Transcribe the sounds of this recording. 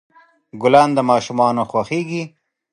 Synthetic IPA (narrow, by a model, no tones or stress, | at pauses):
ɡʊlɑnd̪əmɑːʃumɑːnoxwaxeːɡi